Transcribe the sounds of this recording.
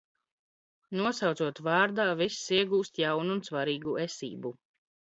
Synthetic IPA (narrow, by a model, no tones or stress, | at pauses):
nuɔsawt̪suɔt̪vɑːɾd̪aːvisːiɛɡuːst̪jawnuːnsvaɾiːɡuɛsḭːbu